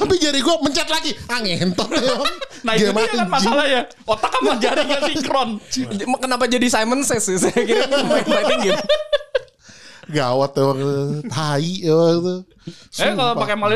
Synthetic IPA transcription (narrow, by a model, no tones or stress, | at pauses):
t̪apid͡ʒaɾiɡuaməɲt͡ʃat̪laɡiaŋent̪ɔt̪ːewaŋnaiɡamaakanmasalaja | ot̪akanmad͡ʒaɾiŋaiŋkɾɔnkənap̬ad͡ʒadisajmənsɛsɪsakiɾmamat̪əŋɡit̪ | ɡawat̪ːɛwaŋt̪aiwat̪u | sakaloppakamali